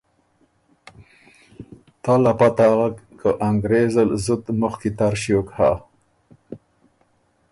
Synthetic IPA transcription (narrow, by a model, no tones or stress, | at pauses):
t̪ɑlapat̪aːɣakkʰəʔaŋɡɾezəlzut̪mʊxkit̪aɾɕiokha